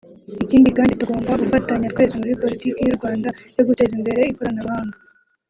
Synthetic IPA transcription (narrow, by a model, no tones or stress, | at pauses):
iciːndikaːndituɡo̞ːmbaɡufataɲatkwezemuɾipo̞litikijuɾɡwaːndajo̞ɡute̞zimbe̞ɾe̞ikoɾanaɾuhaːŋɡa